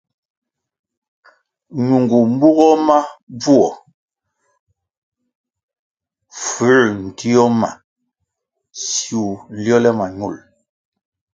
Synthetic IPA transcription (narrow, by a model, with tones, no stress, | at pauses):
ɲu˨ŋɡu˨m˦bu˦ɣɔ˦ma˦b͡vu˦ɔ˨ | fʉ˨˦n̩˨tʰi˦ɔ˦ma̰˨ | si˨u˨ljɔ˦lɛ˦ma˨ɲu˦˨l